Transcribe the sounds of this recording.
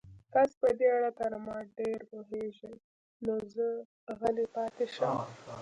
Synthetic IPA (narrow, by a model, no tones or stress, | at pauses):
k̪aspəd̪eaɽat̪aɾamɑɖeɾpoɦeʒə | nozə | ɣalipɑt̪eʃəm